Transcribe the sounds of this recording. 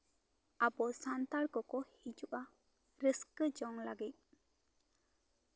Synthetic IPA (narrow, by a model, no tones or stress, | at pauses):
abɔsant̪aɾkɔkɔhid͡ʒuʔa | ɾəskəd͡ʒɔŋlaɡit̪̚